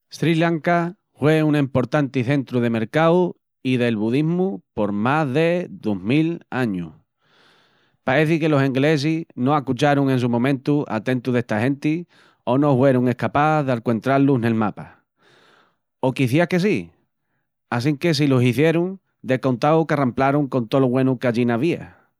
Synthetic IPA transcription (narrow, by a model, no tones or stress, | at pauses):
st̪ɾilaŋka | hwe̞unempo̞ɾt̪ant̪iθe̞nt̪ɾuðe̞me̞ɾkaw | iðe̞lβuðiɦmupo̞ɾmazðe̞ðoɦmilaɲu | pae̞θike̞lo̞se̞ŋɡle̞s̬ino̞akut͡ʃaɾuŋẽ̞ns̬umõ̞mẽnt̪uʔa̰t̪e̞nt̪uðe̞hst̪aɦe̞nt̪i | o̞no̞hwe̞ɾuŋe̞hkapaðealkwe̞nt̪ɾalune̞lmapa | o̞kiθjiake̞si | as̬iŋke̞s̬ilosiθje̞ɾuŋ | d̪e̞ko̞nt̪awkeramplaɾuŋko̞nt̪oloβwe̞nukaʎinaβia̰